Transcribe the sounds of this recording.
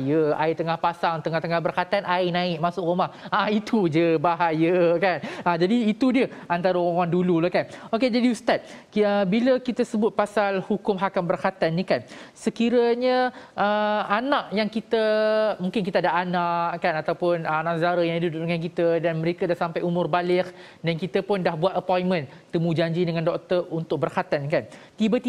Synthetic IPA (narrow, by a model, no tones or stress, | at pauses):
jəa̰it̪əŋahpasaŋt̪əŋaht̪əŋahbərkat̪anʔainãɪʔmasʊkrumahait̪ud͡ʒəbaɦajəkanəd͡ʒadiːt̪udiəant̪aɾəoawaŋdululahkanoked͡ʒadiust̪at̪̚ | əbiləkit̪asəbʊt̪̚pasalhukʊmɦakambərkat̪anːikansəkiɾəɲəʔəanaʔjaŋkit̪əmuŋkɪnkit̪aadaʔanaʔkanat̪awpʊnəanãʔsəɡaɾajaŋidudʊʔ̚dəŋãnk̬it̪ədanməɾekadahsampajumʊrbalɪk | dankit̪əpʊndahbuat̪̚əpɔjnmə̃n | t̪əmũd͡ʒaɲd͡ʒidəŋandɔk̚t̪əunt̪ʊk̚bərhat̪ankant̪ibət̪i